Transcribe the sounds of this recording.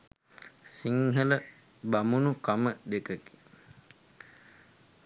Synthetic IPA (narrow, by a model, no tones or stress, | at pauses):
siŋɦələ | bamunukaməd̪ekəki̥